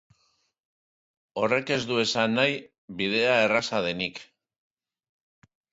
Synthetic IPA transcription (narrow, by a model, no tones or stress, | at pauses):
o̞re̞ke̞zd̪ue̞sanːaj | βiðe̞ae̞rasaðe̞nik